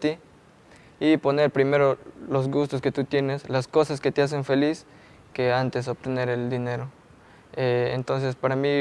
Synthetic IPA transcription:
t̪i | ipo̞ne̞ɾpɾime̞ɾo̞lo̞zɣust̪oske̞t̪ut̪je̞ne̞slasko̞saske̞t̪eas̬e̞ɱfe̞lis | ke̞ant̪e̞s̬ob̚t̪e̞ne̞ɾe̞ld̪ine̞ɾo | eḛnt̪o̞ns̬e̞spaɾami

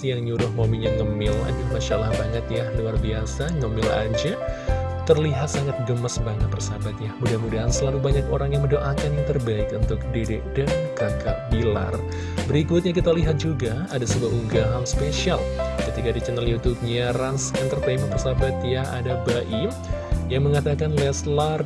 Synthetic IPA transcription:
jaŋɲuɾʊhmaumiɲaŋəmɪla̰d͡ʒamaʃalahbaŋət̪jahluarbiasaŋəmɪla̰d͡ʒa | t̪ərliɦat̪̚saŋat̪̚ɡəməsbaŋət̪̚pərsabat̪̚jahmudahmudaɦansəlalubaɲakoɾaŋjaŋməndoʔakanjaŋt̪ərbaɪkunt̪ʊk̚dedɛʔdankakabila̰r | bəɾikʊt̪̚ɲak̬it̪aliɦat̪̚d͡ʒuɡa | adasəbuauŋɡaɦamspeʃialkət̪ikadit͡ʃənaljut̪ub̚ɲaransint̪ərt̪emənpərsabat̪̚jaha̰dabaʔi | jaŋməŋat̪akanlɛslar

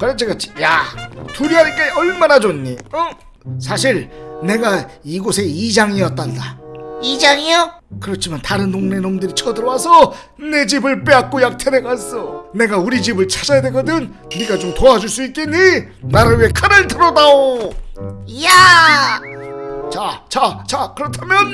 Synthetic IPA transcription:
kɯɾʌt͡ɕʰikat͡ɕ͈ʰi̥jatuɾiɦaɲik͈aʌɭmanad͡ʑoɲːiʌ | sʰaɕʰiɾne̞ɡaiɡosʰe̞id͡ʑaŋijʌt͈̚andaid͡ʑaŋijo | kɯɾʌt͡ɕʰimantaɾɯnːoŋne̞nomdɯɾit͡ɕʰʌdɯɾʌwasʰʌ | ne̞d͡ʑibɯɭp͈e̞ak̚k͈ojak̚tʰeɾeɡas͈ʌne̞ɡauɾid͡ʑibɯɭt͡ɕʰad͡ʑajadweɡʌdɯn | niɡat͡ɕomtoad͡ʑuɭs͈uit̚k͈iɲi | naɾaɥie̞kʰaɾɯɭtɯɾʌdao | ja | t͡ɕat͡ɕat͡ɕakɯɾʌtʰamjʌn

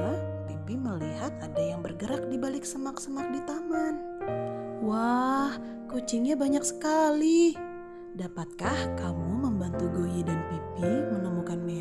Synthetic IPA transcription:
pipiməliɦat̪̚adajaŋbərɡəɾak̚dibalɪksəmaksəmak̚dit̪aman | wah | kut͡ʃɪŋɲabaɲaksə̥kali | dapat̪̚kahkamuməmbant̪uɡojidanpipimənəmukanme

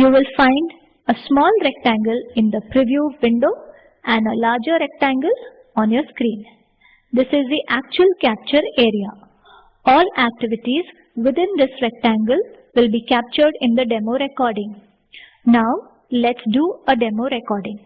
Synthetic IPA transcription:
juːʋɪlfãɪ̃ɳɖ | əsmɔːlɾɛk̚ʈæ̃ŋɡəlɪ̃nd̪əpɾiʋjuːʋɪ̃ɳɖoː | ʔæ̃ɳɖəlaːɾd͡ʒəɾɛk̚ʈæ̃ŋɡəl | ɔ̃ːnjɔːɾskɾĩːn | d̪ɪsɪzd̪iʔæk̚t͡ʃuəlkæp̚t͡ʃəɾeːɾia | ɔːlæk̚ʈɪʋɪʈiz | ʋɪd̪ɪ̃nd̪ɪsɾɛk̚ʈæ̃ŋɡəl | ʋɪlbiːkæp̚t͡ʃəɾɖɪ̃nd̪əɖɛmoːɾekɔːɾɖɪ̃ŋ | naʊ | lɛʈsɖuːəɖemoːɾɛkɔːɾɖɪ̃ŋ

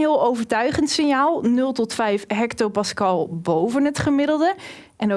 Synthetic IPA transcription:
ɦɪəlˠowvəɹtœɥχəntsɪnjaːlˠnɵlˠtɔtfɛjfɦɛktopɑskɑlˠbowvənɦətχəmɪdəlˠdə | ʔɛno

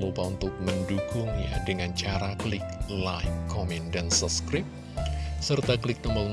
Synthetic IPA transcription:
lupaunt̪ʊk̚mənduɡʊŋja̰dəŋant͡ʃaɾakəlɪk̚lajkʰːɔmɛndansap̚skɾɪp̚ | sərt̪aklɪk̚dɔməl

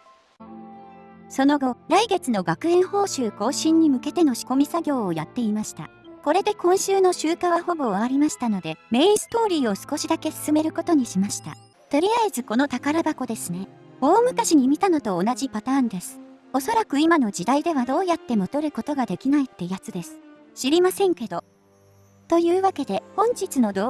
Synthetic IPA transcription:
so̞no̞ɡo̞ɾaiɡe̞t͡sɨno̞ɡakɯ̟ẽ̞ɰ̃ho̞ːɕɨːko̞ːɕĩɲ̟ːimɯ̟ke̞t̪e̞no̞ɕi̥ko̞mʲisaɡʲo̞ːjat̪ːe̞imaɕi̥t̪a̰ | ko̞ɾe̞d̪e̞kõ̞ɰ̃ɕɨːno̞ɕɨːkaβaho̞bo̞βaaɾʲimaɕi̥t̪ano̞d̪e̞me̞ĩsɨ̥t̪o̞ːɾʲiːo̞sɨ̥ko̞ɕid̪ake̞sɨ̥sɨme̞ɾɯ̟ko̞t̪o̞ɲ̟iɕimaɕi̥t̪a̰ | t̪o̞ɾʲiaezɨko̞no̞t̪akaɾabako̞d̪e̞sɨne̞ | o̞ːmɯ̟kaɕiɲ̟imʲit̪ano̞t̪o̞ːnaʑipat̪aːnd̪e̞sɨ̥ | o̞so̞ɾakɯ̟imano̞d͡ʑid̪aid̪e̞βad̪o̞ːjat̪ːe̞mot̪o̞ɾɯ̟ko̞t̪o̞ɡad̪e̞kʲinait̪ːe̞jat͡sɨd̪e̞sɨ̥ | ɕiɾʲimasẽ̞ŋke̞d̪o̞ | t̪o̞jɯ̟ːβake̞d̪e̞hõ̞ɲ̟d͡ʑit͡sɨno̞d̪o

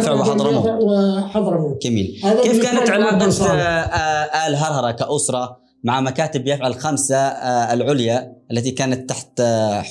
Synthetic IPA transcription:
fɪʕwɪħɑˤɾˤɑm | ħɑd̪ˤɾˤɑɡamḭːlkeːfkaːnat̪ʕɪnɑːqɑʃ | ʔalɦɑɾˤɦɑɾˤɑkaʔʊsɾˤɑ | maʕamakaːt̪ɪbjɪfʕalxamsalʕʊljaʔalːat̪ikaːnat̪ːaħt̪

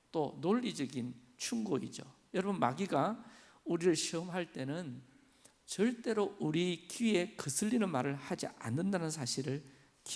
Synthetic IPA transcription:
t͈onoʎːid͡ʑʌɡin | t͡ɕʰuŋɡoḭd͡ʑojʌɾʌbɯnma̰ɡiɡa | uɾiɾɯɭɕʰiʌmɦaɭt͈e̞nɯn | t͡ɕʌɭt͈e̞ɾouɾikie̞kɯsʰɯʎːinɯnmaɾɯɭhad͡ʑḭa̰nːɯndanɯns̬ʰaɕʰiɾɯɭ | ki

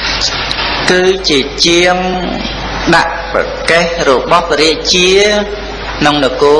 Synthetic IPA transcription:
kɨːt͡ɕiət͡ɕiəŋ | ɗa̰ʔ | pa̰ | kehrɔɓɑhpɾiəʔt͡ɕiə | nɨŋnɔkoː

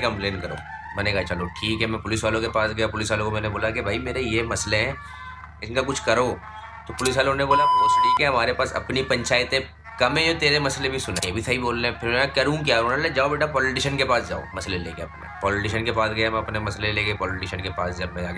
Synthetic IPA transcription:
kɐ̃mpleːnkɐɾo̰ːmɛ̃ːnekat͡ʃɐloʈʰiːkɦɛmɛ̃pʊlɪsʋaːlõkepaːsɡɐjapʊlɪsʋaːlõkomɛ̃ːneboːlakebʱaːimeːɾejemɐsleɦɛ̃ | ɪnkakʊt͡ʃʰkɐɾoː | t̪oːpʊlɪsʋaːlõneboːlapɪsʈʰiːkɦɛɦɐmaːɾepaːsɐ̰pnipɐ̃ɲt͡ʃaːjət̪ẽ | kɐmẽd͡ʒot̪eːɾemɐslebʱisʊnẽebʱit̪ʰaɦiboːlːeɛ̃pʰɪɾmɛːakɐɾũk̬jaːonaled͡ʒaːobeːʈapɔːlɪʈɪʃənkepaːsd͡ʒa̰ːo̰mɐslelḛːkeɐpnḛpɔːlɪʈɪʃənkepaːsɡɐjam̃ɐpnemɐsleleːɡepɔːlɪʈɪʃənkepaːsd͡ʒɐbmɛ̃aː

